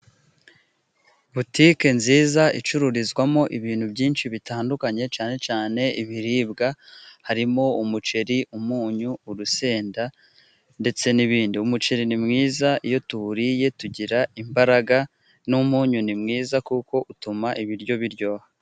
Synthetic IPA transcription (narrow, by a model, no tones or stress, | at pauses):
βutike̞nziːzait͡ʃuɾuɾizɡwamo̞ʔiβiːnhubɟiːnʃiβitaːndukaɲe̞t͡ʃaːne̞t͡ʃaːne̞iβiɾiːbɡahaɾimo̞umut͡ʃe̞ɾiʔumuːɲuːɾuse̞ːnda | nde̞t͡se̞niβiːndiumut͡ʃe̞ɾinimŋiːzaijo̞tuɾije̞tuɟiɾaimbaɾaɡa | numuːɲunimŋiːzakuko̞ʔutumaʔiβiɾɟo̞βiɾɟo̞ːha